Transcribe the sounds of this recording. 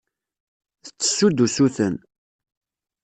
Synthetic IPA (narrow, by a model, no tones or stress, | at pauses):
θət͡sːə̥sːud̪usuθən